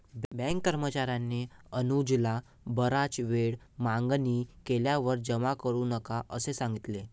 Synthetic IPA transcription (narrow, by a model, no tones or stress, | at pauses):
bɛ̃ŋkːəɾmət͡ɕaɾjanːeənud͡ʑla | bəɾat͡ɕʋeɽ | maŋɡnikeljaʋəɾd͡ʑəmakəɾuːnəkaʔəsesãŋɡit̪le